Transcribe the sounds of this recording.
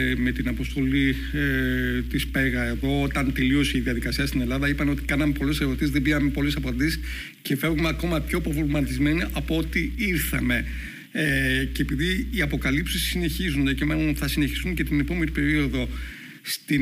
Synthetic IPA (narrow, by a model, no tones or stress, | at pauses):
me̞t̪inɐpo̞st̪o̞li | t̪ispe̞ɣɐe̞ðo̞ot̪ɐnt̪e̞lio̞siːðiɐðikɐsiɐst̪ine̞lɐðɐipɐneot̪i̥kɐnɐme̞po̞leseɾo̞t̪izðebiɐme̞po̞lesɐpɐnd̪is | ce̞fe̞vɣumeɐko̞mɐpço̞pɾovlmɐt̪izme̞niɐpoo̞t̪iiɾθɐ̰me̞ | ceːpiðiiɐpo̞kɐlipsisine̞çizunðecimenonθɐsineçi̥st̪uŋce̞t̪ine̞po̞me̞nipe̞ɾio̞ðo̞ | st̪i